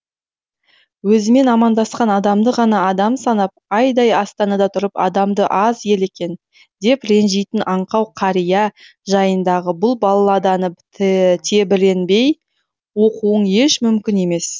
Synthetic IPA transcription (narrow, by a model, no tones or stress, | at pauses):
wɵzɪme̞nɑmɑnd̪ɑsqɑnɑd̪ɑmd̪əʁɑnɑːd̪ɑmsɑnɑp̚ɑjd̪ɑjɑst̪ɑnɑd̪ɑt̪ʰʊɾəpɑ̰d̪ɑmd̪əʔɑze̞le̞kʲe̞n | d̪e̞pɾe̞nʒejt̪ɪnʔɑɴqɑwqʰɑɾijɑ | ʒɑjənd̪ɑʁəbʊlˠbɑlˠɑlˠɑd̪ɑnə | t̪ʰe̞bɪɾe̞nbe̞j | wo̞quwəɴe̞ʃmʏmkʲɪne̞me̞s